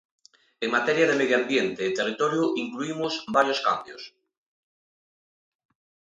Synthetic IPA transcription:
eŋmat̪eɾjaðemeðjoambjent̪eːt̪erit̪oɾjuʔiŋkluimosbaɾjoska̰mbjos

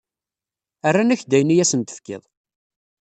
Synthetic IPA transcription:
ərːanæçd̪æjnijæsənt̪ə̥fkɪ̰ðˤ

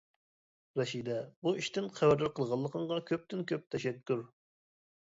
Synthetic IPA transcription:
ɾɛʃid̪ɛbuiʃt̪ɪnqʰæwæɾd̪ɪɾqʰəlˠʁɑlˠːəqʰəɴʁɑkʲʰøp̚t̪ɪnkʲʰøp̚t̪ʰɛʃɛkʲːyɾ

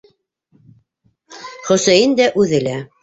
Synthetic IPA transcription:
χɵ̆sæjɘnd̪æʔʉðɘ̆læ

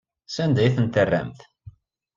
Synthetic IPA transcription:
sænd̪æjθənt̪ərːæ̰mθ

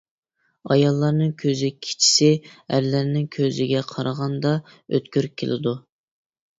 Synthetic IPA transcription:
ɑjɑlˠːɑɾnɨŋkʲʰøzɪkʲʰi̥t͡ʃʰi̥sɪæ̰ɾlæɾnɪŋkʲʰøzɪɡʲɛqʰɑɾɑʁɑnd̪ɑ | ø̰t̪kʲyɾ̚kʲʰːelʔɪ̰d̪u

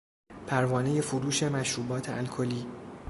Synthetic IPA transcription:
pʰæɾvɒːne̞je̞foɾuːʃe̞mæʃɾuːbɒːt̪ʰeʔælkʰoliː

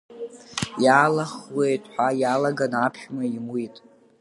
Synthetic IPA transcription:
jaːlaχwejtʼħʷᶣajalaɡanapʰχᶣmaimwitʼ

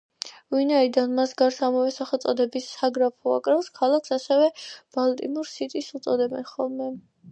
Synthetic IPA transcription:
vinaid̪anmasɡaɾsamɔvɛsaχɔt̪sʼɔd̪ɛbisːaɡɾapʰɔa̰kʼɾafskʰalˠakʰsasɛvɛb̥alt̪ʼḭmuɾsit̪ʼisut̪sʼɔd̪ɛbɛnχɔlˠmɛ

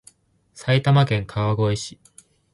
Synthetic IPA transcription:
sait̪amakẽ̞ŋkʰaβaɡo̞eɕi̥

